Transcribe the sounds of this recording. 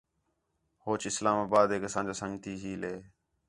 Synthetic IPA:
hoːt͡ʃɪslaːmaːbaːd̪eːkeːsãːnd͡ʒaːsəŋɡt̪ʰiːd͡ʒiːleː

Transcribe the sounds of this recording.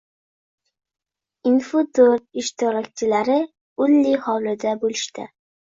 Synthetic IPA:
ɪnfʊd̪oɾɪʃt̪ɪɾɒk̚ʲt͡ʃʰɪlaɾɪ | ʊlːɪhɒwlɪd̪abolɪʃt̪ɪ̰

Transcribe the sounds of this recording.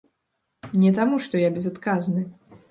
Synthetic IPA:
nʲɛt̪amuʂt̪ɔjabʲɛzat̪kaznɨ

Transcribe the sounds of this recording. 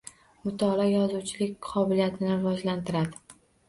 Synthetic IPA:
mʊt̪ʰɒlɒjɒzuwt͡ʃʰɪlɪkʲqʰɒbɪlijat̪ʰɪnɪɾɪvɒd͡ʒlant̪ʰɪɾad̪ɪ

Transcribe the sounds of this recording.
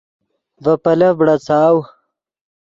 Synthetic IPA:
vɐpɐlɐbɽɐt͡sʰaːw

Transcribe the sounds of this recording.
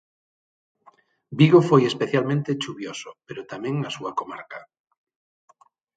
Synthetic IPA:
biɣofojespeθjalmẽnt̪et͡ʃuβjosopeɾot̪amẽŋnasuakoma̰ɾka

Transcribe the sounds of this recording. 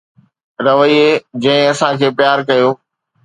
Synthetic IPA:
ɾɐʋəied͡ʑɐ̃ɦɪ̃ɐsãkʰeːpjaːɾkɐjoː

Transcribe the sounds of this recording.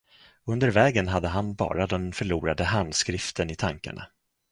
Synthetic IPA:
ɵnd̪əɾvɛːɡənɦad̪ːəɦanbɑ̰ːɾad̪ɛnfœɭuːɾad̪əɦand̪skɾɪft̪ʰənɪt̪ʰaŋka̰ɳa̰

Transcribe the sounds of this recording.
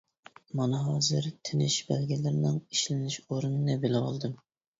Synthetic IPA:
mɑnɨɦɑzɨɾt̪ʰɪnɪʃbælɡʲilɪɾnɪŋiʃlɪnɪʃoɾunɨnɨbelɪwɑ̰lˠd̪ɨm

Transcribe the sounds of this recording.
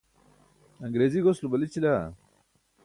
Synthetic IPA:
ɐŋɡɾeːziɡoslubɐlit͡ɕila

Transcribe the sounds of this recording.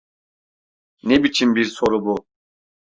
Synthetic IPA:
nɛbit͡ʃʰimbiɾsɔɾubu

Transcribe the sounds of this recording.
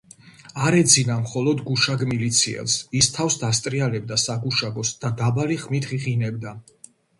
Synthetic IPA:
aɾɛd̪zinamχɔlɔd̪ɡuʃaɡmilit̪sʰiɛ̰lˠsist̪ʰafsd̪ast̪ʼɾialɛbd̪asaɡuʃaɡɔsd̪̥ad̪abaliχmit̪ʰχiʁinɛbd̪a

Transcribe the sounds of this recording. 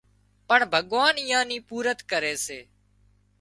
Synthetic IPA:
pəɳbʱəɠʋaːnɪjãːniːpuːɾət̪kəɾeːseː

